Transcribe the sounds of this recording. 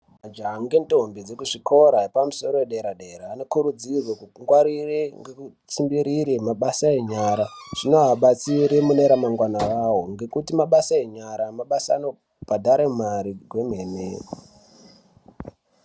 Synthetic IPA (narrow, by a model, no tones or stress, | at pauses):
mad͡ʒaŋɡentombid͡ze̞kuʐikʰo̞ɾaɦepamuso̞ɾo̞eɗe̞ɾaɗe̞ɾaːnokuɾud͡zirwekuŋɡwaɾireŋɡeku | t͡simbiɾiɾemaɓasaeɲaɾaʐ̥ino̞ɦaɓat͡siɾemune̞ɾamaŋɡwanaʋawoŋɡe̞kutimaɓasaeɲaɾamaɓasa̰no̞ | b̥adʱaɾemaɾiɡʱwe̞menḛ